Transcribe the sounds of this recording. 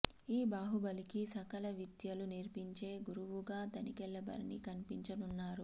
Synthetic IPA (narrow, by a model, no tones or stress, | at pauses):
iːbaːɦubɐlikisɐkɐlɐʋid̪jɐluniɾpiɲt͡ʃe̞ːɡuɾuʋuɡaːt̪ɐnikɛlːɐbɐ̰ɾnḭkɐnipiɲt͡ʃɐnunːaːɾu